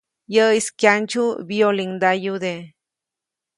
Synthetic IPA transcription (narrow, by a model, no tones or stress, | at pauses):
jəiskjant͡ʃʰubioliŋd̪ajud̪e